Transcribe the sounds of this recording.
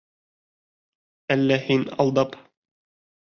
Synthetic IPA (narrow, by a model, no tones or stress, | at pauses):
ælːæhinɑ̰lˠd̪ɑp